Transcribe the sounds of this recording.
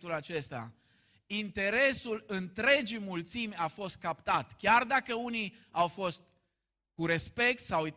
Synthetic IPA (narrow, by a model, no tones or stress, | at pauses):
t̪ulat͡ʃe̞st̪a̰ | int̪e̞ɾe̞sulɨnt̪ɾe̞d͡ʒimult̪simʲafo̞st̪̚kapt̪at̪kʲard̪akəuni | awfo̞st̪ | kuɾe̞spe̞k̚t̪sawi